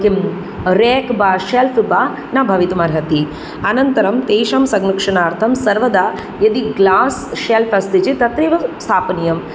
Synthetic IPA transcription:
kim | ɾeːkbaːʃelpʰbaː | nabʱɐʋit̪umaːɾɦɐt̪i | ɐnɐnt̪ɐɾɐmt̪eːʂamsɐɡnɐkʂɐɳaːɾt̪ʰɐmsɐɾʋɐd̪aː | jɐd̪iɡlaːsʃelpʰɐst̪id͡ʒit̪ɐt̪ɾiʋɐst̪ʰaːpɐnijɐm

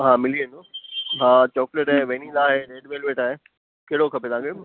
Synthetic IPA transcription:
ɦãːmɪliẽnd̪oɦãːt͡ɕɔːkleʈaɦẽʋeːnilaːɦeɾeːɖʋeːlʋeːʈaːɦe | keɦɪɽokʰɐpet̪ʰãːkʰe

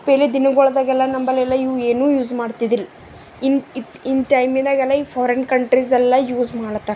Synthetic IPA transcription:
peːled̪inɐɡɔɭɐd̪aːɡɛlːɐnɐmbɐlɛlːɐiʋeːnuːjuːzmaːɽt̪id̪il | ini | inʈɐjmind̪aːɡɛlːɐiːpʰɔːɾɐnkɐɳʈɾis̬d̪ɛlːɐjuːzmaːɽɐt̪ːa

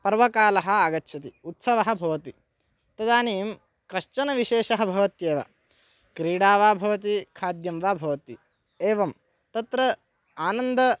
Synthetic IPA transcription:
pɐɾʋɐkaːlɐɦɐ̆aːɡɐtːʃʰɐt̪iut̪sɐʋɐɦɐ̆bʱɐʋɐt̪i | t̪ɐd̪aːniːm | kɐʃt͡ʃɐnɐʋiʃeːʃɐɦɐbʱɐʋɐt̪jeːʋa̰ | kɾiːɽaːʋaːbʱɐʋɐt̪ikʰaːd̪jɐmʋaːbʱɐʋɐt̪i | eːʋɐm | t̪ɐt̪ɾɐ | aːnɐnd̪ɐ

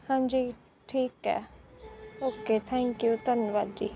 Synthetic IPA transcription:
hãɲd͡ʒiː | ʈʰiːkɛ̰ | oːket̪ʰɛ̃ːŋkjut̪ɐnəʋaːd̪̚d͡ʒḭː

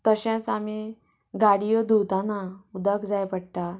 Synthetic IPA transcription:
t̪əɕãt͡same | ɡaɽijɔd̪ut̪ãnaud̪əkd͡zajpəɽʈ̪a

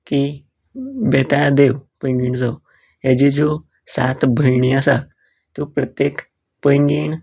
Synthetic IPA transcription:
ki | bɛt̪ad̪eʋpəj̃ŋɡiɳd͡zaw | ɦad͡ʑid͡zo | sat̪bʱəjɳiasa | t̪opɾət̪jek | pəjŋɡiːɳ

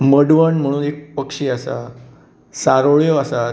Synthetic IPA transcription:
məɽʋəɳm̤əɽ̃uːnek̚pəkʂiːasa̰ | saɾoɭjoasa

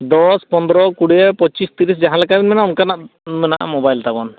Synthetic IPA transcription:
d̪ɔspɔnd̪ɾɔkuɽɛjapɔt͡ʃist̪iɾis̬d͡ʒaɦãlɛkabinmɛnaunkanaʔmɛnaʔa̰mɔbajlt̪abɔn

